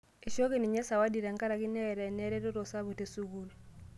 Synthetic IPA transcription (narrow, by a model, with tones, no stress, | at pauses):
e˨ʃo˦ke˦ni˨ɲɛ˦sa˨wa˦di˨ɾa˨ŋka˦ɾa˨ki˦nɛ˦˨ɾɛ˨nɛ˦ɾɛ˦to˦ɾo˨sa˦βo˨te˦su˦ɡu˦l